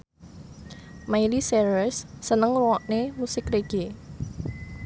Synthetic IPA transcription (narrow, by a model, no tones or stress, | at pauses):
majlisɛɾəsːənəŋruwɔʔnemusɪkreɡ̥e